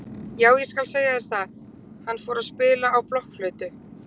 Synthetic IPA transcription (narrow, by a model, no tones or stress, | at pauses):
jaːwjɛskalseːjaɛɾ̥θað | hanːfɔːɾaðspɪːlaːwplɔhkflœːɥt̪ʏ